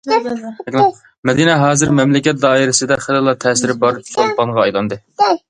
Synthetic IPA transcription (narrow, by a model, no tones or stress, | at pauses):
ɛkʲlˠ | mɛd̪inɛɦɑːzɨɾmɛmlɪkʲɛt̪̚d̪ɑːiɾɪsɨd̪ɛχelˠɨlːˠɑt̪ʰɛːsɪɾɪbɑɾt͡ʃʰolpɑŋʁɑɑjlˠɑnd̪ɨ